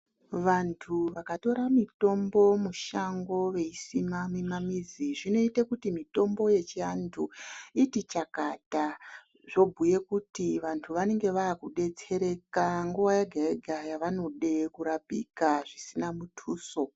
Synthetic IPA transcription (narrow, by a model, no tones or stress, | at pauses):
ʋantʰuʋakato̞ɾamito̞mbo̞muʃaŋɡo̞ʋe̞isimamimamid͡ziʐino̞itakutimito̞mbo̞je̞t͡ʃiantʰuitit͡ʃakata | ʐo̞bʱuje̞kutiʋantʰuʋane̞ŋɡe̞ʋaːkuɗe̞t͡se̞ɾe̞kaŋɡuʋajaɡʱaeɡʱajaʋano̞ɗe̞kuɾapḭkaʐisinamutʰuːso̞